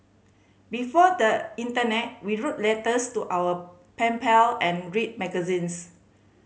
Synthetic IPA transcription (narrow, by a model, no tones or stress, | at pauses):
bifɔdəĩntənɛt̚wiɹot̚lɛtəstuʔawə | pɛ̃mpɛlɛ̃nɹit̚mɛɡəzĩns